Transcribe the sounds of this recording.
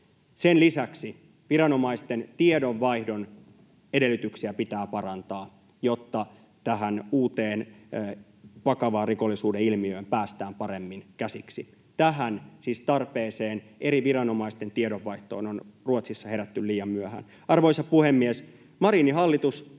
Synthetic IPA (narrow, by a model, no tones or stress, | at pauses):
senlisæksi | ʋiɾɑno̞mɑist̪ent̪iedoʋːɑihdo̞n | ede̞lːyt̪yksiæpit̪æːpɑɾɑnt̪ɑː | jot̪ːɑ | t̪æɦænuːt̪eːn | ʋɑkɑʋɑːriko̞lːisuːdeilmiøːmpæːst̪æːmpɑɾemːinkæsiksi | t̪æɦænsiːst̪ɑrpeːseːnʔe̞ɾiʋiɾɑno̞mɑist̪e̞nt̪ieɾoʋːɑiht̪o̞̰ːnonruot̪sisːɑhe̞ɾæt̪ːylliːjɑmːyæhæ̰ːn | ɑrʋoisɑpuhemːies | mɑɾiniɦɑlːit̪us